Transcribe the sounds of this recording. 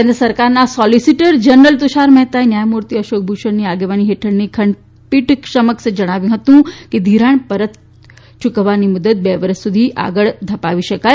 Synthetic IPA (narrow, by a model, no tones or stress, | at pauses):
kend̪ɾəsəɾkaɾnasɔlisiʈəɾd͡ʒənəɾəlt̪uʃaɾmɛɦt̪aenjajmuɾt̪iəʃok̚bʱuʃəɳniaɡeʋaniɦeʈʰəɳnikʰəɳɖ | piʈkʃəməksed͡ʒəɽ̃aʋjũɦət̪ũked̪ʱiɾaɳ̃pəɾət̪ | t͡ʃukʋanimud̪ət̪̚beʋəɾəsːud̪ʱiʔa̰ɡəɭd̪ʱəpaʋiʃəkaj